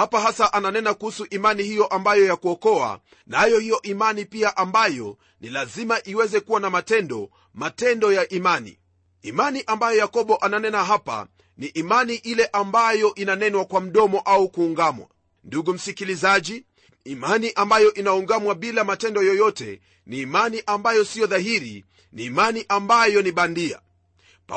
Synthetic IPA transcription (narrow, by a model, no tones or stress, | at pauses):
hapaɦasaʔananɛnakuhusuʔimanihijɔʔambajɔjakuɔkɔa̰ | najɔhijɔʔimanipiaʔambajɔ̰ | nilazimaʔiwɛzɛkuwanamatɛndɔ | matɛndɔjaʔimanḭ | imaniʔambajɔjakɔɓɔʔananɛnaɦapa̰ | niʔimaniʔilɛʔambajɔʔinanɛnwakwam̩ɗɔmɔʔaukuːŋɡamwa̰ | nduɡum̩sikilizaʄiː | maniʔambajɔʔinauŋɡamwaɓilamatɛndɔjɔjɔtɛ̰ | niːmaniʔambajɔsiɔðaɦiɾḭ | niːmaniʔambajɔniɓandia̰ | p